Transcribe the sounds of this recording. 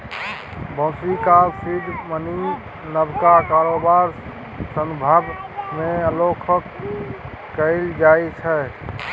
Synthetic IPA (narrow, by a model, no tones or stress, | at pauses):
bɔ̃sikalsid̪ʱməni | nəbkakaɾobaɾ | səmbʱəbmeəlokʰəkː | əɪld͡ʒajt͡ʃʰɛ